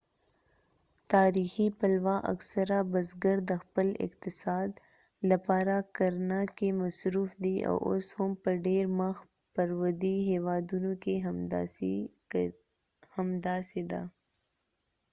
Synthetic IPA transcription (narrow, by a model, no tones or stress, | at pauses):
t̪aːɾixipɐlwaʔa̰ksəɾabəzɡəɾd̪əxpəlɪ̰qt̪ɪsɑːd̪ | lapɑːɾakəɾnakemɐsɾufd̪ia̰wʔo̰shʊmpəɾɖeɾmax | pəɾwəd̪iɦewɑːd̪unoke | hɐmd̪aːsed̪a̰